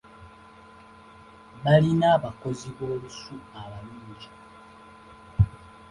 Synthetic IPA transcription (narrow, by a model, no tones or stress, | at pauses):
βalinaːβako̞ziβo̞ːlusuaβanuːɲɟi